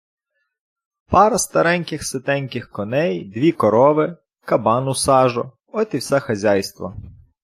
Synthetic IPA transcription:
pɑɾɐst̪ɐɾɛnʲkɪxsɪt̪ɛnʲkɪxkɔnɛjd̪ʲʋʲikɔɾɔʋɪ | kɐbɑnʊsɑʒɔ̰ | ɔt̪iwsɛxɐzʲajst̪ʋɔ̰

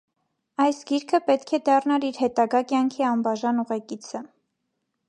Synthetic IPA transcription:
ɑjsɡiɾkʰəpɛt̪kʰɛd̪ɑrnɑɾiɾhɛt̪ɑɡɑkjɑŋkʰiɑmbɑʒɑnuʁɛkit͡sʰə

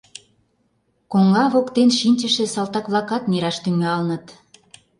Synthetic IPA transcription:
koŋɑβokt̪enʃinʲt͡ɕəʃĕsɑlt̪ɑkβlɑkɑt̪neɾɑʃt̪yŋɑlnə̆t̪

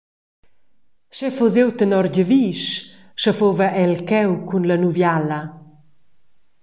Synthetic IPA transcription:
ʃɛfuzewt̪ənɔɾɟəviːʃ | ʃəfovəʔɛlkɛwkunlɐnuvjalɐ

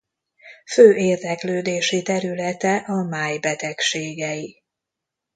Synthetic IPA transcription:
føːʔeːrd̪ɛkløːd̪eːʃit̪ɛɾylɛt̪ɛʔɒmaːjbɛt̪ɛkʃeːɡɛji

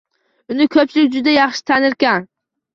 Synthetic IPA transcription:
ʊnɪkʰɵp̚t͡ʃʰɪlɪk̚ʲd͡ʒʊd̪ajɑχʃɪ̥t̪ʰanɪɾkʲan

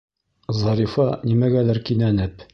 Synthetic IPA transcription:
zɑɾifɑnimæɡælæɾkinænɘp

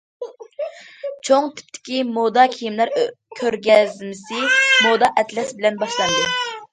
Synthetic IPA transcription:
t͡ʃʰoŋt̪ʰɪ̥p̚t̪ʰːɪ̥kʲimod̪ɑkʲʰijimlæɾkʲʰøɾɡʲɛzmɪsɪmod̪ɑʔɛt̪lɛsbɪlɛnbɑʃlˠɑnd̪ɨ

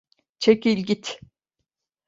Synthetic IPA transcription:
t͡ʃʰecilʲɟit̪

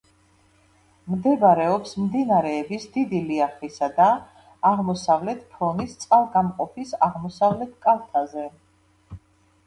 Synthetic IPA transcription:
md̪ɛbaɾɛɔpsmd̪inaɾɛːbisd̪id̪iliaχisad̪aː | ʁmɔsavlɛt̪ʰpʰɾɔnist̪sʼalˠɡamqʼɔpʰisaʁmɔsavlɛt̪ʰkʼalˠt̪ʰazɛ

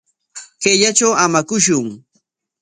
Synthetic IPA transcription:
keʎat͡ʃawamakʊʃ̬ʊŋ

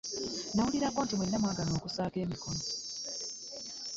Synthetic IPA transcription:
nawuliɾakoːntimwenːamwaːɡano̞ːkusaːke̞ːmikono

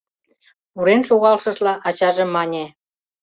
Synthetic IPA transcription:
uɾenʃoɣɑlʃɤ̆ʃlɑʔɑt͡ɕɑʒĕmːɑnʲe

